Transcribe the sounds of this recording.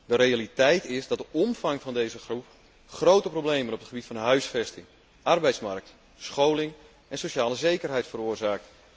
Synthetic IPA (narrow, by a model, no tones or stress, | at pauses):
dəɾejalitɛjtɪsdɑt̚dəʔɔmfɑŋfɑndejzəxrup | χrowtəprowbleːmənɔpətχəbitfɑnɦœɥsfɛstɪŋ | ʔɑrbɛjtsmark̚t | sχowlɪŋ | ɛnsoʃaːləzejkərɦɛjtfəroːrzaːk̚t